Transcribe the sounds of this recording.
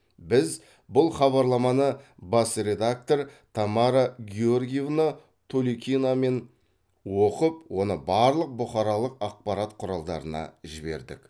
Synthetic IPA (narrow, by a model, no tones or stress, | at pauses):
bɪz | bʊlˠχɑβɑɾlˠɑmɑnəbɑsɾe̞d̪ak̚t̪o̞ɾt̪ʰɑmɑɾaɡʲiorɡʲijevna | t̪ʰolikʲiname̞n | wo̞qəp̚wo̞nəbɑɾlˠəq̚bʊχɑɾɑlˠəqɑq̚pɑɾɑt̪qʰʊɾɑlˠd̪ɑ̰ɾənɑ̰ʒɪbe̞̰ɾd̪ɪ̰k